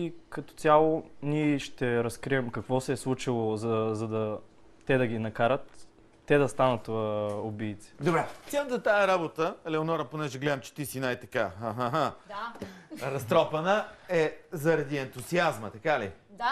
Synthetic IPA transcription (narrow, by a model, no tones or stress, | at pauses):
ikɐt̪ɔ̥t̪ʲalˠoniɛʃt̪ɛɾɐskɾiɛmkɐkvɔsɛːslˠut͡ʃilˠozɐzɐd̪ɐ | t̪ɛd̪ɐɡ̟inɐkaɾət̪ː | ɛd̪ɐst̪anət̪ʊbiːt̪si̥d̪obɾɛsʲanət̪ət̪ajəɾabot̪əlɛonɔɾəponɛʒɛɡlɛd̪əmt͡ʃɛ̥t̪isinajt̪ɐkaɦaɦaɦa | ɾɐst̪ɾɔpɐnəɛzɐɾɐd̪iɛnt̪uziazmət̪ɐkalḭ